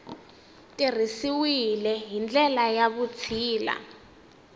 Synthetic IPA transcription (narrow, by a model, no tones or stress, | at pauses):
tʼir̤isiwilɛɦind͡ɮɛlajaβut͡sʰiːla̰